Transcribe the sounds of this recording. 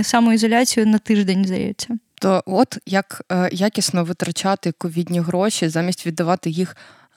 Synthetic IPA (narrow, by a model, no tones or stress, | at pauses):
samuɪzɔlʲat͡sʲijʊnɐt̪ɪʐd̪enʲzd̪ɐ̰jɛ̰t͡sʲːɐt̪ɔɔt̪jɐkːjakʲisnɔʋɪt̪ɾɐt͡ʃat̪ɪkɔʋʲidʲnʲiɦɾɔʃʲizamʲisʲtʲʋʲid̪ːɐʋɑt̪ɪjix